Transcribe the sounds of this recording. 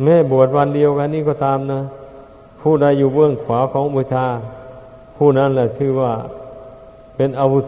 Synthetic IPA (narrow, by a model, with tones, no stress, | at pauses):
mɛː˧˥˨bu˨˩ət̪̚wa˧˥˨ndi˧əwka˧nːiː˧˥˩kɔː˧˩t̪aː˧mnaː˧˥˨ | pʰuː˧˩da˧˥˨jːuː˧˩bɯ˧˩əŋkʰwaː˨˦kʰɔː˨˦ŋbu˧˦t̪ʰaː˧˥˩ | pʰuː˧˩na˧˥˨nlɛ˧˩t̪ʰɯː˧˦˩waː˧˩ | pe˧nʔa˧wu˦˧˩